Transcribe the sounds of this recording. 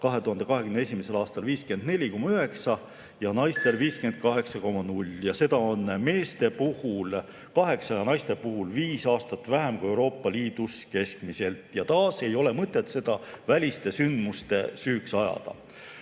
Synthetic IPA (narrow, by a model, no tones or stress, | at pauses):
kɑɦe̞t̪uhɑnd̪̥e̞kɑɦe̞kyneesimese̞lɑːst̪ɑlviːske̞nd̪ne̞lʲiko̞mːɑyɦe̞ksɑ | jɑnɑjst̪e̞lviːskye̞nd̪̥̚kɑɦe̞ksɑko̞mːɑnulʲjɑse̞d̪̥ɑo̞nme̞ːst̪e̞puhul | kɑɦe̞ksɑjɑnɑjst̪e̞puɦulviːsɑːst̪ɑt̪ːˑvæɦemkue̞wɾo̞ːpːˑɑliːd̪̥uske̞skmise̞lt̪ˑjɑt̪ɑːse̞jo̞le̞mɤt̪ˑːet̪se̞d̪̥ɑvælʲist̪e̞synd̪̥must̪e̞syːksɑjɑ̰d̪̥ɑ̰